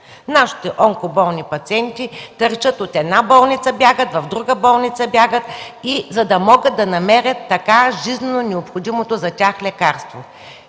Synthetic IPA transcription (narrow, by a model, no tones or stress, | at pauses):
naʃi̥t̪ɛʔɔŋkobɔlˠnipɐt̪siɛnt̪it̪əɾt͡ʃət̪ot̪ɛd̪nabɔlˠnʲit̪səbʲjaɡət̪vɐvd̪ɾuɡəbɔlˠnit̪səbʲjaɡət̪izɐd̪ɐmɔɡət̪̚d̪ɐnɐmɛɾʲət̪ːɐkaʒiznɛnonɛopxod̪imot̪ozɐtʲaxlɛkaɾst̪vo